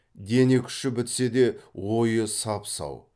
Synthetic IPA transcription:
d̪e̞nekʲʰʏ̥ʃɪbɪt̪se̞d̪e̞wo̞jəsɑpsɑ̰w

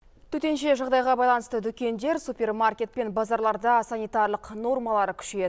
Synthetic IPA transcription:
t̪ʰɵt̪e̞nʃe̞ʒɑʁd̪ɑjʁɑbɑjlˠɑnəst̪əd̪ʏkʲe̞nd̪e̞ɾsupʲe̞rmarkʲe̞t̪̚pe̞nbɑzɑɾlˠɑɾd̪ɑsanijt̪arlˠəqno̞rmɑlˠɑɾəkʲʰʏ̥ʃee

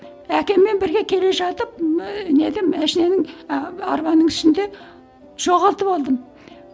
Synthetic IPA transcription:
ækʲe̞mːe̞nbɪɾɡʲe̞kʲʰe̞le̞ʒɑt̪əp̚ne̞d̪ɪmæʃine̞nɪŋɑ̰ɾbɑnəɴɪ̥ʃɪnd̪e̞ | ʒ̥o̞ʁɑlˠt̪əpɑlˠd̪əm

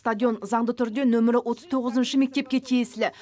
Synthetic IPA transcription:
st̪ad̪ʲijo̞nzɑɴd̪ət̪ʰʏɾd̪e̞nɵmɪɾɪwo̞t̪əzt̪ʰo̞ʁəzənʃəme̞k̚t̪e̞p̚kʲe̞t̪ʰijesɪlɪ

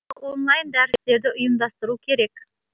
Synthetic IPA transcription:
wo̞nlˠɑjnd̪æɾɪst̪e̞ɾd̪ɪʔʊjəmd̪ɑst̪əɾukʲʰe̞ɾe̞k

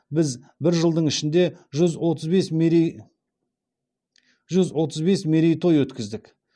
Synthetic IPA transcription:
bɪz | bɪɾʒəlˠd̪əɴɪʃɪnd̪e̞ʒʏzwo̞t̪əzbes | ʒʏzwo̞t̪ʰəzbe̞smeɾijt̪ʰo̞jwɵt̪kʲɪzd̪ɪk

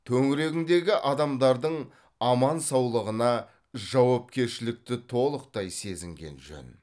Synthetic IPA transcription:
t̪ʰɵŋɪɾe̞ɡʲɪnd̪e̞ɡʲɪʔɑd̪ɑmd̪ɑɾd̪əɴ | ɑmɑnsɑwlˠəʁənɑ | ʒɑwɑp̚kʲe̞ɾʃɪlɪk̚t̪ɪt̪ʰo̞lˠəq̚t̪ɑjse̞zɪŋɡʲe̞̰nʒɵ̰n

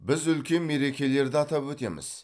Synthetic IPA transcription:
bɪzʏlkʲe̞nme̞ɾe̞kʲe̞le̞ɾd̪ɪɑt̪ɑpwɵt̪e̞̰mɪ̰z̥

